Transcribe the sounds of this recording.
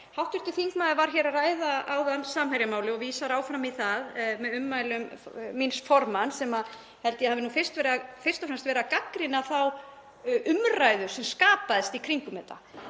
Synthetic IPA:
hawht̪ʏɾ̥t̪ɪθiŋkmaːðvaɾ̥çɛɾaraːjðaaːwðanːsaːmhajɾɪmaːwlɪɔɣviːsaɾaːwfɾamiθaðmɛðʏmːajlʏmminsfɔɾmansɛmað | hɛlt̪ɪjɛhavɪnuːfɪr̥st̪vɛːɾɪafɪr̥t̪ɔfɾɛmst̪vɛːɾakakɾɪnaθaw | ʔʏmrajðʏ̥sɛmskaːpaðɪst̪ikʰɾiŋkʏmɛːt̪a̰

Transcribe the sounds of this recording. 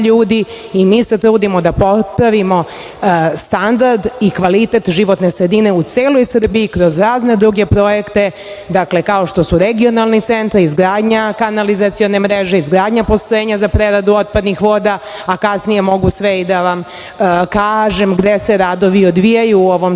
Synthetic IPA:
ʎuːd̪iː | miːse̞t̪ɾuːd̪imo̞d̪apo̞pɾaʋimo̞ | st̪and̪aɾd̪ikʋalit̪e̞t̪ʒiʋo̞t̪ne̞sɾe̞d̪ine̞ut̪seːlo̞jsər̩biikɾo̞zɾaːzne̞d̪ɾuɡe̞pɾo̞je̞kt̪e̞ | d̪akle̞kao̞ʃt̪o̞suɾeɡio̞nalˠnit̪se̞nt̪aɾizɡɾaːd̪ɲakanalizat̪sijo̞ne̞mɾeʒeizɡɾaːd̪ɲapo̞st̪ojeːɲazapɾeɾad̪uo̞t̪̚pad̪nixʋo̞ːd̪a | akasnije̞mo̞ɡusʋeid̪aʋam | kaːʒe̞mɡd̪ese̞ɾad̪o̞ʋiod̪ʋijajuoʋo̞m

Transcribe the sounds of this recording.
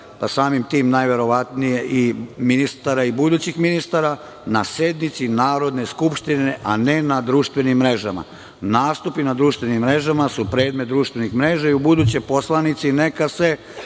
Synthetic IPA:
pasaːmimt̪iːmnajʋe̞ɾo̞ʋat̪nije̞ʔiminist̪aɾaibud̪uːt͡ɕixminist̪aɾa | nase̞d̪nit̪sinaːɾo̞d̪ne̞skupʃt̪ineʔanenad̪ɾuːʃt̪ʋe̞nimːɾe̞ʒama̰ | naːst̪upinad̪ɾuːʃt̪ʋe̞nimːɾe̞ʒamasupɾe̞ːd̪met̪d̪ɾuːʃt̪ʋenixmɾe̞ːʒaiubud̪uːt͡ɕo̞jpo̞slanit̪sine̞kase̞

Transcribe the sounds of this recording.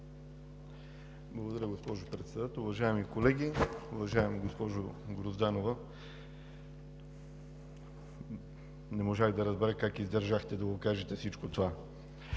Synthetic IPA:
blˠɐɡod̪ɐɾʲjəɡospɔʒopɾɛt̪sɛd̪at̪ɛlˠʊvɐʒaɛmikolɛɡʲiʊvɐʒaɛmɡospɔʒoɡɾozd̪anovə | nɛmoʒaxd̪ɐɾɐzbɛɾəkakizd̪ɛɾʒaxt̪ɛd̪ɐɡokaʒɛt̪ɛsit͡ʃkot̪ova

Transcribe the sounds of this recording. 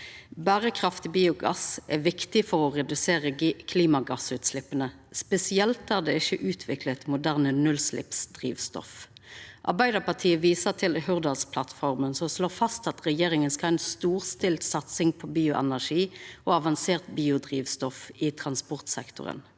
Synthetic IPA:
bæːʁəkʰʁɑft̪ɪbiːʊɡɑ̰sʔɛʋɪkt̪ɪfɔʁɔʁɛd̪ʉseːʁəkʰliːmɑɡɑsʉːt̪slɪpːənə | spɛsɪɛlt̪æːʁd̪ɛɪçəʔʉːt̪ʰʋɪklət̪mʊd̪æːʁnənʉlslɪ̰psd̪ʁḭːʋst̪ɔ̰fʔɑ̰ʁbæɪd̪əpɑʁt̪ʰiːəʋiːsət̪ʰɪlhʉʁd̪ɑlspʰlɑt̪fɔʁmənsɔmsloːfɑst̪ɑt̪ʁɛjeːʁɪŋənskɑlɛɪnst̪uːʁst̪ɪlt̪sɑt̪sɪŋpʰɔbiːʊʔɛ̰næʁʂiːɔɑʋɑnseːʁt̪biːʊd̪ʁiːʋst̪ɔfɪt̪ʰʁɑnspɔʁt̪sɛ̰kt̪ʊ̰ʁə̰n

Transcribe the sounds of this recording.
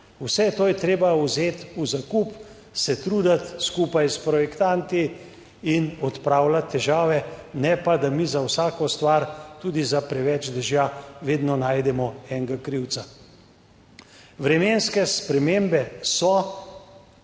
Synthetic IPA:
usɛt̪oːjɛt̪ɾeːbawzeːt̪uzakup | sɛt̪ɾuːd̪at̪skuːpajspɾɔjɛkt̪ant̪i | inɔt̪pɾaːwlat̪ʰːɛʒaːʋɛnɛpad̪amizawsaːkɔst̪ʋaɾt̪uːd̪izapɾɛʋɛt͡ʃd̪ɛʒjaʋeːd̪nɔnaːjd̪ɛmɔɛŋɡakɾiwt̪sa | ʋɾɛmenskɛspɾɛmembɛsɔ

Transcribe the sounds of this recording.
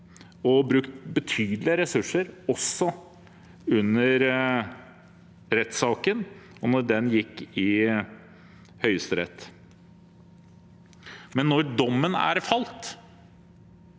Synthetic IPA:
ɔbɾʉkt̪bət̪ʰyːd̪lɪəɾɛsʉʂːəɾɔsːɔ | ʉnːəɾ | ɾɛt̪sɑːkənɔnɔɾɖɛnjɪkːɪ | hœʏəst̪əɾɛ̰t̪ː | mɛnːɔɾɖɔmːənæ̰ɾfɑlt̪

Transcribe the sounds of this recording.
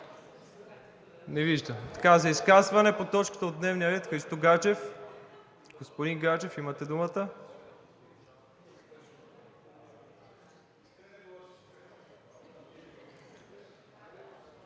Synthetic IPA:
nɛviʒd̪ət̪ɐ̥kazɐiskazvɐnɛpot̪ɔt͡ʃkə̥t̪əod̪nɛvniəɾɛt̪xɾist̪ɔɡat͡ʃɛf | ɡ̥ospod̪iŋɡat͡ʃɛfimət̪ɛd̪umət̪ə

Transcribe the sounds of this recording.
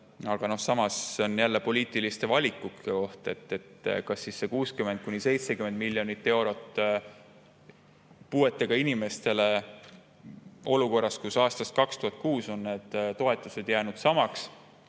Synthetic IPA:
ɑɡ̥ɑno̞hsɑmɑseo̞njælːe̞po̞lʲiːt̪ˑilist̪e̞vɑlʲikːˑukeko̞ht̪e̞t̪ːe̞t̪kɑsːisːe̞kuːskyme̞nd̪̥̚kunʲise̞jt̪sekymend̪̚milʲjo̞nit̪ːe̞wɾo̞t̪ː | pue̞t̪ːˑe̞ɡ̥ɑinime̞st̪e̞le̞ | o̞luko̞rːɑskusɑːst̪ɑst̪kɑkst̪uhɑt̪̚kuːso̞nːne̞ːd̪̥t̪o̞e̞t̪ːˑuse̞d̪̥jæːnud̪̥sɑmɑks

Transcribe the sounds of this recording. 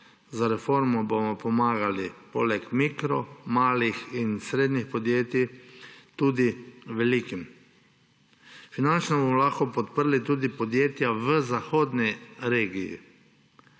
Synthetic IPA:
zaɾɛfoɾmubomɔpomaːɡalipolɛkmikɾɔmaːlixinsɾeːd̪nixpɔd̪jeːt̪jit̪uːd̪iʋeliːkim | finant͡ʃnɔbomɔlaxkɔpɔt̪pəɾlit̪uːd̪ipod̪jeːt̪jaʋəzaxoːd̪niɾeːɡijḭ

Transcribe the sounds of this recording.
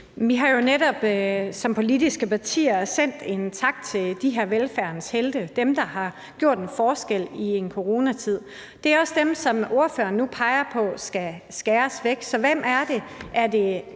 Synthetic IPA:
ʋiɦɑ̈jo̝neɾɒ̽b̥sɒ̽mpʰo̝lidisɡ̥əpʰɑ̈t͡sʰḭːɐsen̰d̥e̝nt͡sʰɑ̈ɡ̥̚d̥̚t͡sʰe̝ld̥iɦe̝ɐ̰ʋelfæɐnəsheld̥əd̥emd̥ɑ̈hɑ̈ | ɡ̥jo̝ɐ̰d̥enfɒːsɡ̥el̰ie̝nkʰo̝ʁo̝ːnæt͡sʰið̞̰ˠ | d̥e̝æɐɒ̽sd̥emsɒ̽mo̝ɐfø̰ːɐnːupʰɑ̈ɪɐpʰɒ̽sɡ̥æsɡ̥æːɐsʋeɡ̥sɒ̽ʋem̰æɐd̥e̝ʔæɐd̥e̝

